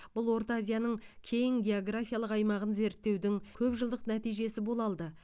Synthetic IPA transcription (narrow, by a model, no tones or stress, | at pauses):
b̥ʊlˠwo̞ɾt̪azʲijanəɴkʲʰe̞jɪŋɡʲe̞o̞ɡrafijalˠəqɑjmɑʁənze̞ɾt̪ːe̞wd̪ɪŋkʲʰɵpʒəlˠd̪əqnæt̪ijʒe̞sɪbo̞lˠɑlˠd̪ə